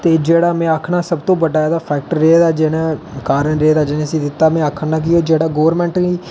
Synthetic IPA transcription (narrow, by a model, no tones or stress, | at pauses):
t̪eːd͡ʒeːɽaːmɛ̃ːaːkʰɳaːsəbt̪õːbəɖaːd̪aːpʰɛːk̚ʈəːeeːd̪aːd͡ʒɪnãːkaːɾənɾeeːd̪aːd͡ʒɪnẽːsĩːd̪ɪt̪ːaːmɛ̃ːaːkʰəɳnaːk̬ɪjoːd͡ʒeːɽaːɡoːəɾmɛ̃ːɳʈiː